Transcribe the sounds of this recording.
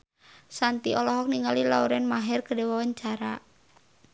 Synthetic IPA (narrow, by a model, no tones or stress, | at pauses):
sant̪iʔɔlɔɦɔk̚niŋalila̰uɾɛnmaɦɛrkədewawaɲt͡ʃaɾa̰